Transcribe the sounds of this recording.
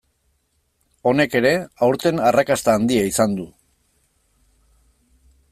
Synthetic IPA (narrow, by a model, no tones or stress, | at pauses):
o̞ne̞ke̞ɾe̞awɾt̪e̞narakast̪aːnd̪iaisand̪u